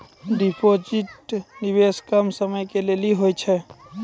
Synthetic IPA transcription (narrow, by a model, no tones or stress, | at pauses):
ɖipʰod͡ʒiʈnibeskəmsəməjkeleliɦojt͡ʃʰɛ